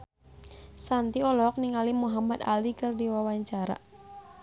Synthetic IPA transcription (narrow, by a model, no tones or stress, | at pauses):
sant̪iɔlɔk̚niŋalimuɦamat̪a̰likɨrdiwawaɲt͡ʃaɾa̰